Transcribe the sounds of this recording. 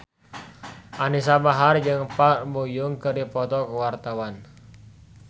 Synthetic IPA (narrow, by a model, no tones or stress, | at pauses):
ʔanisabaɦard͡ʒɨŋparbujuŋkɨɾipɔt̪ɔkəwart̪awan